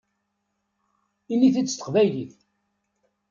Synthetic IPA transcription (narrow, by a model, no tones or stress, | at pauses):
inːiθiːət̪ːə̥qvæjliθ